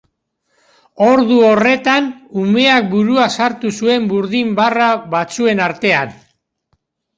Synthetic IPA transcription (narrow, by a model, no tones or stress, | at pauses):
o̞ɾðuo̞re̞t̪anume̞ak̚buɾuasaɾt̪usue̞mbuɾðimbaraβat͡sue̞naɾt̪e̞an